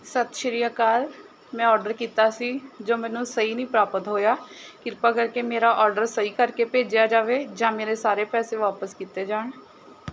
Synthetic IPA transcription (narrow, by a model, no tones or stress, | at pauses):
sət̪ʃɪɾijaːkaːɾ | mɛ̃ːɔːɾɖəɾkiːt̪aːsiːd͡ʒoːmɛ̃ːnũːsəiːnĩːpɾaːpət̪ɦoːjaːkɪɾpaːkəɾkeːmeːɾaːʔɔːɾɖəɾsəiːkəɾkeːpeːd͡ʒjaːd͡ʒaːʋeːd͡ʒãːmeːɾeːsaːɾeːpɛːseːʋaːpəskiːt̪eːd͡ʒaːɳ